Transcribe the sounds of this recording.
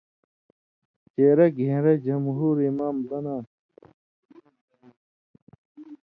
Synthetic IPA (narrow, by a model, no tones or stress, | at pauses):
t͡ɕeːɾeɡʱẽːɾed͡ʑɐmɦuːɾimaːmd̪ɐnaː